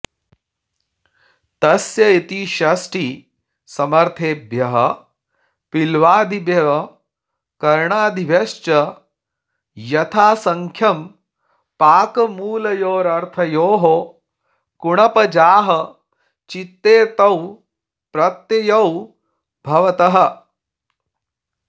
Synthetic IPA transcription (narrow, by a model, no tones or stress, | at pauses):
t̪ɐsjɐit̪iʃɐsʈi | sɐmɐɾt̪ʰeːbʱjɐɦɐ | pilʋaːd̪ibʱjɐɐ | kɐɾɳaːd̪ʱibʱjɐʃt͡ʃɐ | jɐt̪ʰaːsɐŋkʰjɐm | paːkɐmuːlɐjoːɾɐɾt̪ʰɐjoːɦo | kuɳɐpɐd͡ʒaːɦɐ | t͡ʃit̪ːeːt̪ɐw | pɾɐt̪jɐjɐw | bʱɐʋɐt̪ɐɦɐ